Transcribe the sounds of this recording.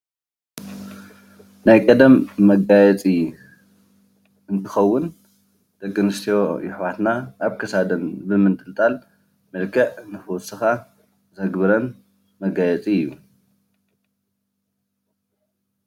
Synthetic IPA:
najkʼɐd̪ɐmːɐɡajɛt͡sʼi | ɨnt̪ʰɨxɐwːʊn | d̪̥ɐkʼːɨnɨst̪ʰijojɪħwat̪naʔːβkʰɐsad̪ɐnbɨmɨnt̪ʼɨlt̪ʼal | mɨlkʰɐʕɨnɨxɨwɔsɨxa | zɐɡbɨɾɐn | mɐɡajɛt͡sʼijːu

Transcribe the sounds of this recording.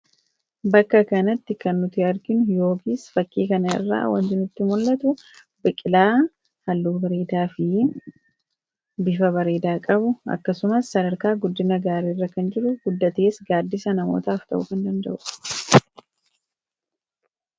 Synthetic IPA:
bɐkːɐkɐnɐt̪ːɪkɐnːʊt̪ɪɐɾɡɪnʊjo̞ːkiːsfɐkːiːkɐnɐɪ̰rːa̰ːwɐ̰nt̪ɪnɪt̪ːɪmʊlːɐt̪ʊ | bɪkʼɪlaː | hɐlːuːbɐɾeːd̪aːfɪ | bɪfɐβɐɾeːd̪aːkʼɐbʊɐ̰kːɐsʊmɐsːɐd̪ɐɾkaːɡʊd̪ːɪnɐɡaːɾiːrːɐkɐnd͡ʒɪɾʊɡ̥ʊd̪ːɐt̪eːsɡaːd̪ːɪsɐnɐmo̰ːt̪aːft̪ɐ̰ʔʊkɐnd̪ɐnd̪ɐ̰ʔʊ

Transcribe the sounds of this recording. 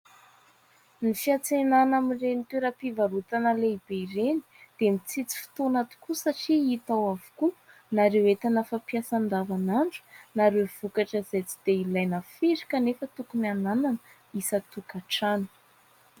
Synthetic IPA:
nifiat͡senanamirenit̪weɾəpivaɾut̪anəleib̥eiɾeni̥d̪̥emit͡sit͡si̥fi̥t̪onat̪u̥kusaʈ͡ʂiit̪awavu̥ku | naɾewet̪anafapiasand̪avanaɳʈ͡ʂu̥naɾewv̥ukaʈ͡ʂəz̥ejt͡si̥d̪̥eilajnafiɾi̥kanefət̪ukunianananə | isat̪ukaʈ͡ʂani̥

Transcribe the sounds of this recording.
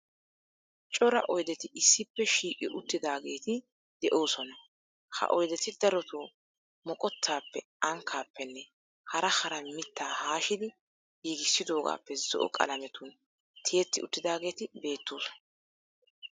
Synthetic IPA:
t͡ʃʼɔɾɐ̰ʔɔjd̪ɛt̪ɪɪsːɪpːɛʃiːkʼɪʔʊt̪ːɪd̪aːɡe̞ːt̪ɪ | d̪̥ɛʔo̞ːsɔnɐ | hɐ̰ʔɔjd̪ɛt̪ɪd̪ɐɾɔt̪oː | mɔkʼɔt̪ʰːaːpːɛ | ɐŋkʰːaːpːɛnːɛ | hɐɾɐhɐɾɐnmɪt̪ːaːhaːʃɪd̪ɪ | jiːɡɪsːɪd̪o̞ːɡa̰ːpːɛzɔʔɔ̰kʼɐ̰lɐmɛt̪uːn | t̪ʰejɛt̪ːɪʊt̪ːɪd̪aːɡe̞ːt̪ɪbe̞ːt̪ːuːs

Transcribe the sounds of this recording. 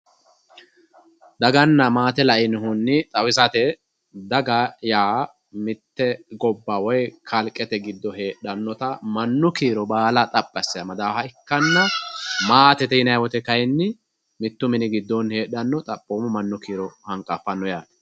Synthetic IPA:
d̪ɐɡɐnːɐmaːt̪ɛlɐʔɪnɦʊnːɪt̪ʼɐwɪsɐt̪ɛ | d̪ɐɡɐjaː | mɪt̪ːɛɡɔbːawɔjkʰɐlkʼːɛt̪ɛɡɪd̪ːɔhe̞ːɗɐnːɔt̪ɐmɐnːʊkiːɾɔbaːlɐt̪ʼɐpʼːɐsːɪjɐmɐd̪aːfɐɪkːɐnːɐmaːt̪ɛt̪ɛɪnɐjwɔt̪ɛkɐjɛnːɪ | mɪt̪ːʊmɪnɪɡɪd̪ːɔnhe̞ːɗɐnːɔt̪ʼɐpʼːoːmɔmɐnːʊkiːɾɔhɐŋkʼːɐfɐnːɔjaː

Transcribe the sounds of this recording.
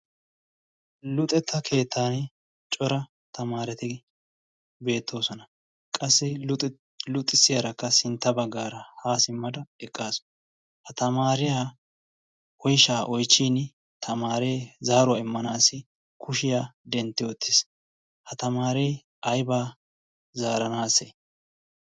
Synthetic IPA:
lʊt̪ʼɛt̪ʰːɐkʰe̞ːt̪ʰːaːn | t͡ʃʼɔɾɐ | t̪ɐmaːɾɛt̪ɪ | be̞ːt̪ʰːo̞ːsɔnɐ | kʼɐsːɪ | lʊt̪ʼːɪsːɪjɐɾɐkːɐsɪnt̪ːɐbɐɡːaːɾɐhaːsɪmːɐd̪ɐɛkʼːaːs | hɐt̪ɐmaːɾɪjaː | ɔjʃaːʔɔjt͡ʃːiːn | t̪ʰɐmaːɾe̞ːzaːɾʊwaɪmːɐnaːsːɪ | kʰʊʃɪjaːd̪ɛnt̪ːɪwɔt̪ːɪs | hɐt̪ɐmaːɾe | ɐjbaː | zaːɾɐnaːse

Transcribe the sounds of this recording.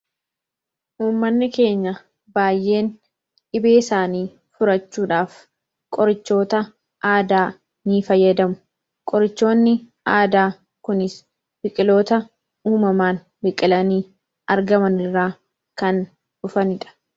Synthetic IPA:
ʔuːmːɐnːɪke̞ːɲːɐ | baːjːe̞ːn | ᶑɪbe̞ːɪsaːniː | fʊɾɐt͡ʃːuːᶑaːf | kʼɔɾɪt͡ʃːo̞ːt̪ɐ | ʔaːd̪aː | niːfɐjːɐd̪ɐmʊ̥ | kʼɔɾɪt͡ʃːo̞ːnːɪ | ʔaːd̪aː | kʊnɪs | b̥ɪkʼɪlo̞ːt̪ɐ | uːmɐmaːn | bɪkʼɪlɐniː | ɐɾɡɐmɐnɪrːaː | kɐn | ᶑʊfɐnɪᶑɐ̥

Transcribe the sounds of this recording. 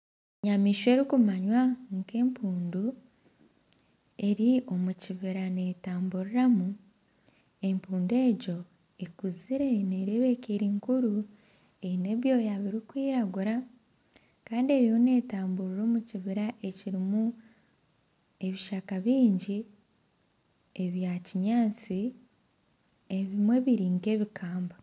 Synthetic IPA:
ɲamiːʃwe̞ɾikumaɲwaŋke̞ːmpʰuːndu | e̞ɾiʔo̞muciβiɾane̞taːmbuɾuɾamu | e̞mpuːnde̞ːɟo̞ | ekuziɾe̞ne̞ɾeβe̞keɾiŋkuɾu | eine̞βjo̞ːjaβiɾikwiːɾaɡuɾa | kaːndie̞ɾijo̞ne̞ːtaːmbuɾiɾo̞ːmuciβiɾaʔe̞ciɾimu | e̞βiʃakaβiːɲɟi | e̞βjaciɲaːt͡si | eβimwe̞βiɾiːŋɡe̞ːβikaːmba

